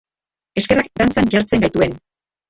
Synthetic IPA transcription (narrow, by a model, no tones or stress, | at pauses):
e̞ske̞rakd̪ant͡sanʝaɾt͡se̞ŋɡajt̪ue̞n